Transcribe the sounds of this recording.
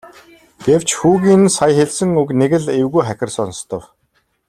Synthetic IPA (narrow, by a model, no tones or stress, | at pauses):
ɡ̥ew̥t͡ɕxuːɣʲiːnsajxeɮsɘ̆ŋukneɣɘ̆ɮewɣujχækʲɪ̆rsɔnst̪ɞ̆w